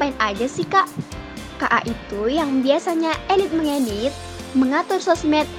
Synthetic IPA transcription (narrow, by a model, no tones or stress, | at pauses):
paɪnad͡ʒasihkaʔ | kaʔa̰ʔit̪ujaŋbiasaɲaɛlit̪̚məŋenit̪̚ | məŋat̪ʊrsɔsmɛt̪̚